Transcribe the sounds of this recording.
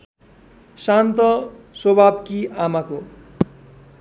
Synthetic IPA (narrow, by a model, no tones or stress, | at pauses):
sant̪ʌsobʱabkiʔamako